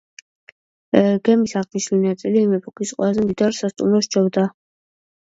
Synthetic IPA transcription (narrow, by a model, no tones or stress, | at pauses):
ɡɛmisaʁd̪iʃlinat̪sʼiliːmɛpʰɔkʰisqʼwɛlˠazɛmd̪id̪aɾsast̪ʼumɾɔʃt͡ʃʰɔvd̪a